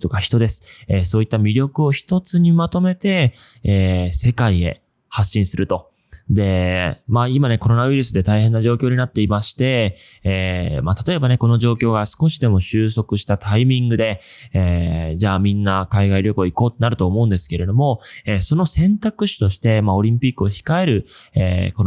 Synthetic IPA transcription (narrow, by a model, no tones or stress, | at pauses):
t̪o̞kaçi̥t̪o̞d̪e̞sɨ̥esoːit̪ːamʲiɾʲo̞kɯ̟o̞çi̥t̪o̞t͡sɨɲ̟imat̪o̞me̞t̪e̞ː | se̞kaie̞̰ | haɕːĩɰ̃sɨɾɯ̟t̪o̞ | d̪e̞maimane̞ko̞ɾo̞naɯ̟iɾɯ̟sɨd̪e̞t̪aihẽ̞nːaʑo̞ːkʲoːɲ̟inat̪ːe̞imaɕi̥t̪e̞ː | mat̪at̪o̞e̞bane̞ko̞no̞ʑo̞ːkʲo̞ːɡasɨ̥ko̞ɕid̪e̞mo̞ɕɨːso̞kɯ̟ɕi̥t̪at̪ʰaimʲĩŋɡɯ̟d̪e̞ed͡ʑaːmʲĩnːakaiɡaiɾʲjo̞kɯoiko̞ːt̪ːenaɾɯ̟t̪o̞ːmo̞ɯ̟nd̪e̞sɨ̥ke̞ɾe̞d̪o̞mo̞eso̞no̞sẽ̞nt̪akɯ̟ɕi̥t̪o̞ɕi̥t̪e̞mao̞ɾʲĩmpʲikːɯ̟o̞çi̥kae̞ɾɯ̟ḛːko̞n